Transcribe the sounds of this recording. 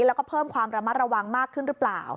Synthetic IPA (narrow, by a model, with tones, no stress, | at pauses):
lɛ˦˥wkɔː˥˩pʰɤː˥˩mkʰwaː˧mɾa˧ma˦˥t̪̚ɾa˧wa˧ŋmaː˥˩k̚ʰːɯ˥˩nɾɯ˦˥pla̰ː˨˩w